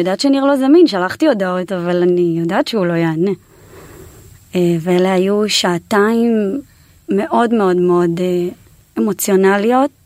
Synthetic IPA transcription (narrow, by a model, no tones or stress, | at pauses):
jodaːtʃeaniʁlo̞zaminʃalaχtio̞dao̞tavalanijodaːt̪ʃeulo̞jeane | eveeleajuʃaːtaimː | e̞ʔo̞dme̞o̞dmeo̞de | emo̞t͡sjo̞nalio̞t̚